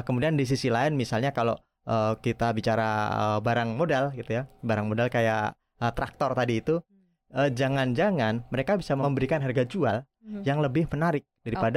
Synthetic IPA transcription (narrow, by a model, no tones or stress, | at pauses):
kəmudiandis̬isilaɪnmisalɲakalo̰ | ʔəkit̪abit͡ʃaɾaə̰baɾaŋmodalɡit̪ujabaɾaŋmodalkaja̰ʔ | ət̪ɾak̚t̪ɔrt̪adiːt̪u | əd͡ʒaŋand͡ʒaŋanməɾekabisaməəmbəɾikanɦarɡad͡ʒual | jaŋləbɪhmənaɾɪk̚d̥aɾipad